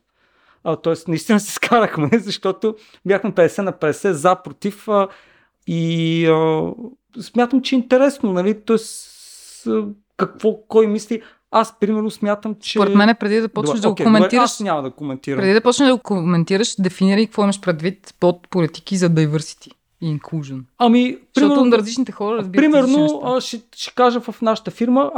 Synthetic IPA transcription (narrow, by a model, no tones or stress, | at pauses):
ət̪ɔɛst̪nɐist̪inɐsɛ̥skaɾɐxmɛzɐʃt̪ɔt̪o | bʲjaxmɛpɛd̪ɛsɛnɐpɛd̪ɛsɛzapɾot̪ifə | iə | smʲjat̪əmt͡ʃɛint̪ɛɾɛsnonɐlit̪ɔɛs | kɐkv̥ɔkɔjmisli | aspɾimɛɾnosmʲjat̪əmt͡ʃsɛpoɾɛmɛnɛpɾɛd̪id̪ɐpɔnəʒd̪ɐɡoomɛniɐʃnʲamɐd̪ɐɡkomɛnt̪iɾpɾɛd̪id̪ɐpɔt͡ʃnəʒd̪ɐɡokomɛnt̪iɾəʃd̪ɛfiniɾəikɐkvɔimɐʃpɾɛd̪vit̪pot̪̚polit̪i̥kizɐd̪ɐjvəɾsi̥t̪i̥ | iŋklˠuʒənɐmipɾiɔmɛɾt̪ɾɐzlit͡ʃnit̪ɛxɔɾəɾɐzbiɾɾimɛɾnoəʃɛʃɛ̥kaʒəvɐfnaʃə̥t̪əfiɾmə